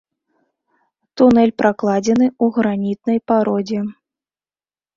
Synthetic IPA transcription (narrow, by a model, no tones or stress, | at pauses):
t̪unɛlʲpɾʔaklˠad͡zʲɛn̪ɨuɣɾanʲit̪̚nɐjpaɾɔd͡zʲɛ